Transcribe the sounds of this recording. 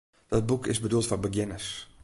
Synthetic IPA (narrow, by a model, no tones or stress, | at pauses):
d̥ɔt̚bukʰɪ̰sbədulˠtfɔrbəɡjɪnəs